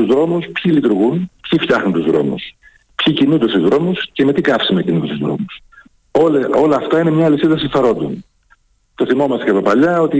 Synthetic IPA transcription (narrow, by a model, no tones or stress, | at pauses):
uzðɾo̞muspçilit̪uɾɣunpçifçɐxnunt̪uzðɾo̞̰mṵs | pçicinund̪esuzðɾo̞musceme̞t̪ikɐfsimecinund̪esuzðɾo̞̰mus | olo̞lɐːft̪ɐine̞mɲɐːlisiðɐsinθɐɾo̞nd̪o̰n | t̪oθimo̞mɐst̪ecɐpopɐʎɐo̞t̪i